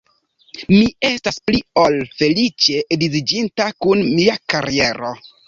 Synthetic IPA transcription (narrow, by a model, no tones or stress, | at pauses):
mie̞staspliolfe̞lit͡ʃe̞ʔdizid͡ʒintakunmiakaɾie̞ɾo̞